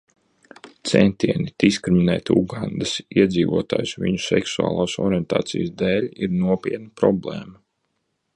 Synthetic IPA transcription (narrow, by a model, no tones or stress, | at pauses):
t̪sɛ̰nt̪iɛnid̪̥iskɾiminɛ̰ːt̪ʲuɡand̪asiɛd̪ziːvuɔt̪a̰ːjusviɲusɛksua̰ːlˠaːsɔ̰ɾiɛnt̪a̰ːt̪sijsd̪ɛːlʲiɾnuɔpʲiɛt̪napɾɔblˠɛːmɐ